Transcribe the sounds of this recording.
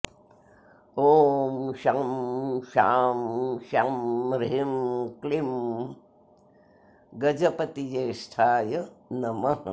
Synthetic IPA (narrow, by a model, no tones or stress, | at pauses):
oːmʃamʃaːmʃamɾeimklim | ɡɐd͡ʒɐpɐt̪ijeːsʈʰaːjɐnɐmɐɦ